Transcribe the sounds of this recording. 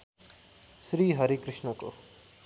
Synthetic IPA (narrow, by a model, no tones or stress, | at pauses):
sɾiːɦəɾikɾɪʂnəko